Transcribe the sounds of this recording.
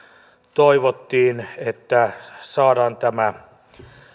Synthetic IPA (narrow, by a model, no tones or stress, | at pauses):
t̪oiʋot̪ːiːnet̪ːæsɑːdɑːnt̪æmæ